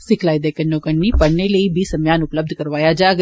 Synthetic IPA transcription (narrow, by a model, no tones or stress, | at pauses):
sɪkʰlaːid̪ekənːokəɽniːpəɽneləiːbʱiːsəmjaːnʊpləb̚d̪ʱkəɾʋaːjad͡ʒaɡ